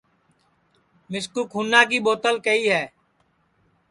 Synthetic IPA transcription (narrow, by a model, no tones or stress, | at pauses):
mɪskuːkʰuːnːaːk̬iːɓoːt̪əlkəiːɦɛː